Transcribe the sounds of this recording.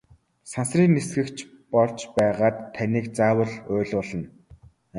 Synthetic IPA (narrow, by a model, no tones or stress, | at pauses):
sansriːnːesɡɘ̆kt͡ɕʰ | pɔɮt͡ɕpæːʁaːt̪ʰːaniːkt͡saːwə̆ɮʊːɮʊːɮə̆n